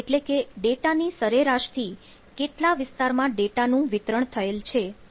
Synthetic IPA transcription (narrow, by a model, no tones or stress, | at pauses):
eʈlekeɖeʈanisəɾeɾaʃt̪ʰi | keʈlaʋɪst̪aɾmãɖeʈanũʋɪt̪ɾəɳt̪ʰəelt͡ʃʰe